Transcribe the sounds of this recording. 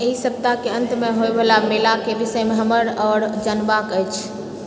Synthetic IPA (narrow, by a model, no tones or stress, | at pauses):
eɦisəb̚t̪akeə̃nt̪meɦoebelamelakebisəjmeɦəməɾɔːɾd͡ʒənbakəjt͡ʃʰ